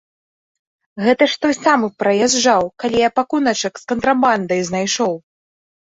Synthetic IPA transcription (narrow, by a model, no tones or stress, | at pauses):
ɣɛt̪ɐʂt̪ɔsamɨpɾɐjɛʐawkalʲijapakunɐt͡ʂɐkskɐnt̪ɾaband̪ɐjznajʂɔw